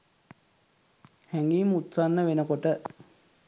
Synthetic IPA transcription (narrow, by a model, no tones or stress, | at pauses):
hæŋɡiːmut̪sanːəʋenəkoʈə